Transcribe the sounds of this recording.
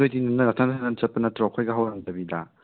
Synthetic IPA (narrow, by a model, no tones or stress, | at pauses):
ojdinumnɐnɐtʰaŋntʰanant͡ʃɐt̚pːɐnɐtɾɔkʰɔjɡɐɦawɾaŋtɐbidɐ̰